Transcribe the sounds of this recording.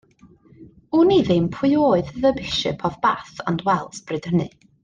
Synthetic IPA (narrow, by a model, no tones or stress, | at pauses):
uniðɪmpʰʊjoːɨððəbɪʃɪ̰pʰɔvbaθa̰ndwɛlˠsbrɨd̥ənɨ̰